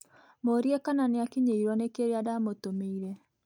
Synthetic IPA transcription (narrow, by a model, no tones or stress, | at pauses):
moɾiɛkananeakiɲeiɾwɔnekeɾeadamotomeiɾɛ